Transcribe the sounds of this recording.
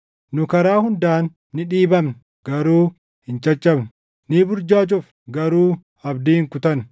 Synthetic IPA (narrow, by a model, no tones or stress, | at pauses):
nʊkɐɾaːhʊnd̪aːnː | ɪᶑiːbɐmnʊ | ɡ̥ɐɾuː | hɪnt͡ʃʼɐt͡ʃʼːɐbnʊ̥ | nibʊɾd͡ʒaːt͡ʃʼʊf | ɡɐɾuː | ɐbd̪iːhɪŋkʊt̪ɐn